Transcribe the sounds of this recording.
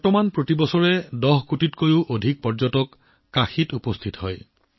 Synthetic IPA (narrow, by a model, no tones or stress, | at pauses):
ɔɹtɔmanpɹotibɔsɔɹɛdɔɦkutitkojʊʔodʱik̚pɔɹzɔtɔkː | axitupɔstʰitɦɔ̰j